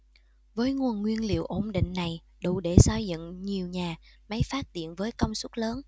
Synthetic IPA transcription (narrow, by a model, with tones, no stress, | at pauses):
vəː˨˦jŋu˨˩ənŋwi˧ənlḭ˧˨əwʔo˧˩mɗḭ˧˨ŋ̟na˨˩j | ɗṵ˧˨ɗe˧˩sa˧jzə̰˧˨ŋɲi˨˩əwɲaː˨˩ma˨˦jfaː˦˥t̚t̪ḭ˧˨ənvəː˨˦jkə˧wŋ͡msu˦˥t̚ləː˨˦n